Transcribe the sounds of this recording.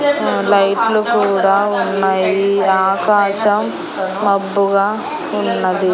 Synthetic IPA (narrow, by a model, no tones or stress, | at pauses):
lɐjʈlukuːɽaːunːajiaːkaːʃɐmː | ɐbːuɡaː | unːɐd̪i